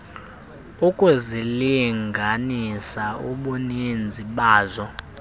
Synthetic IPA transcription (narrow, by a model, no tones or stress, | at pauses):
ukʼuziliŋɡʱanisauɓunind͡zʱiɓaːzɔ